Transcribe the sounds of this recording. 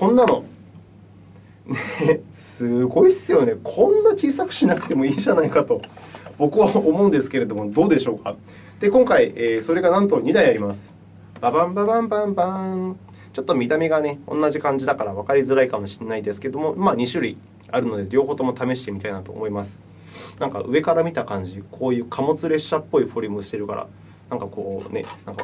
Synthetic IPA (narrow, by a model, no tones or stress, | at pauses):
kõ̞nːano̞̰ | nesɨɡo̞isɨjo̞ne̞kʰõ̞nːat͡ɕiːsakɯ̟̥ɕinakɯ̟̥t̪e̞mo̞iːʑanaikat̪o̞bo̞kɯ̟βaomõ̞ːnd̪e̞sɨ̥ke̞ɾe̞d̪o̞mo̞d̪o̞ːd̪e̞ɕo̞ːka | d̪̥e̞kõ̞ŋkaiʔeːso̞ɾe̞ɡanãnt̪o̞ɲ̟id̪aiaɾʲimasɨ̥ | b̥abãmbabãmbãmbã | t͡ɕo̞t̪ːo̞mʲit̪amʲiɡane̞õ̰nːaʑikãɲ̟d͡ʑid̪akaɾaβakaɾʲizɨɾaikamo̞ɕi̥nːaid̪e̞sɨ̥ke̞d̪omo̞maːɲ̟iɕɨɾʲi | aɾɯ̟no̞d̪e̞ɾʲo̞ːɦoːt̪o̞mo̞t̪ame̞ɕ̬i̥t̪e̞mʲit̪ainat̪o̞̰ːmo̞imasɨ̥ | nãŋka̰ɯ̟e̞kaɾamʲit̪akãɲ̟d͡ʑikʰo̞ːjɯ̟ːkʰamo̞t͡sɨɾe̞ɕːapːo̞iɸo̞ɾʲɯmɯ̟ɕi̥t̪e̞ɾɯ̟ka̰ɾa̰ | nãŋkako̞ːne̞̰nãŋka̰